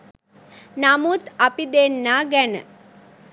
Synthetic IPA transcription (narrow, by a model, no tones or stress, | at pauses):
namut̪apid̪enːaːɡɛnə̰